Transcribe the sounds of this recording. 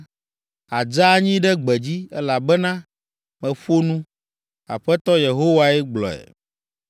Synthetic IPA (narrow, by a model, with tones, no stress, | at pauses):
a˨d͡ʒa˦ɲĩ˦ɖɛ˦ɡ͡bɛ˨d͡ʑi˦ɛ˦la˨bɛ˦nã˦ | mɛ̃˨ɸo˦nũ˦ | a̰˨ɸɛ˦t̪ɔ˦je˨ɦo˦wa˦ɛ˦ɡ͡blɔ̰˨ɛ̰˨